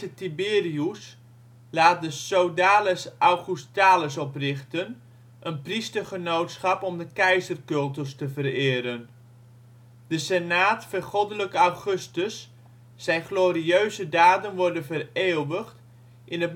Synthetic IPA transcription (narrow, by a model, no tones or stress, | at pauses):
ətibɪːrius | laːt̚dəsowdaːləsʔawχustaːləsɔprɪχtən | ʔənpristərχənowtsχɑpɔmdəkɛjzərkɵlˠtəlstəvərɪːɾən | d̥əsɛnaːtfərχɔdələkəawχɵstəsː | ɛjnχloːɾiøɥzədaːdənʋɔrdənvəreːlˠʋəχt | ʔɪnət